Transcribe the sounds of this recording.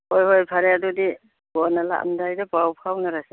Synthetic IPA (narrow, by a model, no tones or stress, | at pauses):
ojhojpʰaɾejadudi | bɔnala̰ʔmdajdapawpʰawnaɾasi